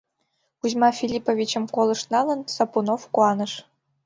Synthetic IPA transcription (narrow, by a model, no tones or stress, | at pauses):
uzmɑfʲilʲipovʲit͡ɕɘ̆mkolˠɤ̆ʂnɑlɤ̆nsopunofkuɑnɤ̆ʂ